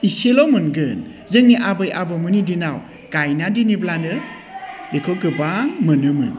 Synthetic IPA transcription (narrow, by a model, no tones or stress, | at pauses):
iselɔmɯnɡɯn | zɯŋniʔabɯjʔabɯmɯnidinaw | ɡ̥ajnadiniblanɯ | bekʰɯɡɯbaŋmɯnɯmɯn